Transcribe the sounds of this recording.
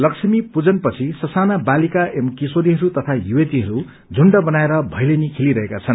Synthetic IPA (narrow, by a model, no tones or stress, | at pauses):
lʌksʰʌmipud͡zʌnpʌt͡sʰisʌsanabalikaʔemkisoɾiɦʌɾut̪ʌt̪ʰajuetiɦʌɾu | d͡zʱuɳɖʌbʌnaeɾʌbʱʌjlenikʰeliɾʌɦekat͡sʰʌn